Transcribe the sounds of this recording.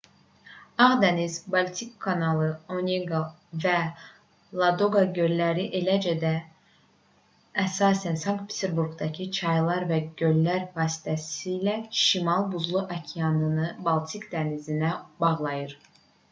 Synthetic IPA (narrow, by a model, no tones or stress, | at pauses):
ɑʁd̪æniz̥bɑlˠt̪ʰikʰːɑnɑlˠɯonʲeɡa | væ | lˠɑd̪oɡɑɟølːæɾiʔe̞læd͡ʒæd̪æ | sɑːsænsɑŋkt̪̚pʰi̥t̪ʰeɾbuɾɡd̪ɑcʰit͡ʃʰɑjlˠɑɾvæɟø̞lːæɾvɑːsi̥t̪ʰæsiːlæʃimɑlˠbuzlˠuʔɑcʰijɑnɯnɯbɑlˠt̪ʰikd̪ænizinæbɑʁlˠɑjɯɾ